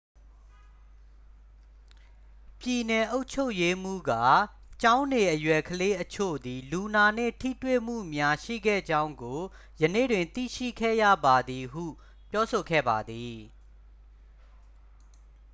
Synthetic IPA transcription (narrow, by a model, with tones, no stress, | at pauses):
pji˨nɛ˨ʔo˦ʊʔt͡ɕʰo˦ʊʔje˦m̥ṵ˦˨ɡa̰˦˨ | t͡ɕã˦ʊ̃ne˨ʔəjwɛ˨kʰəle˦ʔət͡ɕʰo̰˦˨d̪i˨lu˨na˨n̥ɪ̰̃˦˨tʰḭ˦˨twḛ˦˨m̥ṵ˦˨mja˦ʃḭ˦˨ɡɛ̰˦˨d͡ʑã˦ʊ̃ŋɡo˨ | jənḛ˦˨dwɪ̃˨nt̪ḭ˦˨ʃḭ˦˨kʰɛ̰˦˨jä̰˦˨ba˨d̪i˨ɦṵ˦˨ | pjɔ˦so˨ɡɛ̰˦˨ba˨d̪i˨